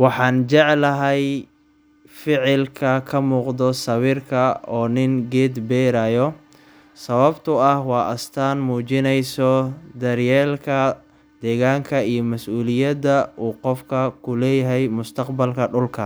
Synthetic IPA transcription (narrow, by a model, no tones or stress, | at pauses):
wɑħɑːnt͡ʃɛʕlɐɦɛj | fɪʕɪlkʰɐkʰɐmuːqd̪ɔsɐβiːrkʰɐɔːnɪŋɡɛːd̪bɛːɾaːjɔ | sɐβɐbt̪ʰʊɐhwɑːʔɐst̪ʰaːnmuːt͡ʃɪnɛjsɔd̪ɐrjɛːlkʰɐ | d̪ɛːɣaːŋkʰɐijɔmɐsuːlɪjɐd̪ɐʔuːqɔfkʰɐkʰʊlɛːjɐɦɛjmʊst̪ʰɐqbɐlkʰɐɖʊlkʰɐ